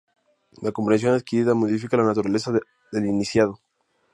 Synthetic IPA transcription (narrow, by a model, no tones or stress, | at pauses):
lakompɾens̬jo̞naðkiɾiðamoðifikalanat̪uɾale̞sa | ðe̞linisjað̞o